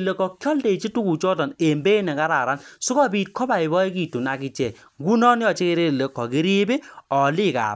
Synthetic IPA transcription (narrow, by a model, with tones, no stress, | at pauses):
le˨kɔ˨kjɔ˦lde˨t͡ʃi˦tu˦ku˨t͡ʃɔ˦tɔ˨ne˨mbe˦nɛ˨ka˦ɾa˨ɾa˦nsu˦kɔ˦biː˨t̚kʰɔ˦ba˨i˨bɔ˦i˦ki˦˨tu˨na˨ki˨t͡ʃɛ˨ | ŋɡu˦nɔ˦njɔ˨t͡ʃe˦ke˦ɾe˦˨le˨kɔ˨ki˦ɾi˦be˦ɔ˨li˦ka̰˨